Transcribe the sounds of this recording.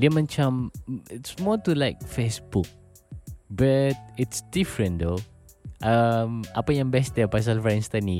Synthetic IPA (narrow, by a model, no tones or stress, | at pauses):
diəmãnt͡ʃãmɪtsmɔtulaɪk̚fesbuk̚ | bat̚ɪtsdifɹə̃ndo | ʔamʔapəjãŋbɛsdɛpas̬alfɾɛ̃nst̪ani